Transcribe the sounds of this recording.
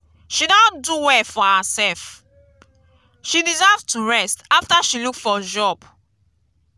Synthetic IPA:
ʃidɔ̃nduwɛfɔhasɛlf | ʃidizavtuɹɛstaftaʃilukfɔd͡ʒɔb

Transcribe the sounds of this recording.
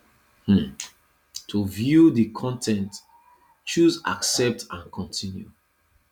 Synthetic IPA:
hm̩ | tʰuvjuðikʰɔ̃ntʰɛ̃nt | t͡ʃuza̰ksɛp̚tãnkʰɔ̃ntʰĩnju

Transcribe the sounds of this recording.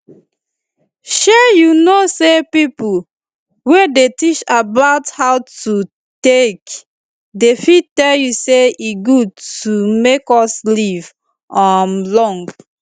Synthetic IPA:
ʃɛjunosepipu | wedetit͡ʃabaʊthaʊtu | tek | defittɛljuseiɡud̚tumekɔsliv | ɔmlɔ̃ŋɡ

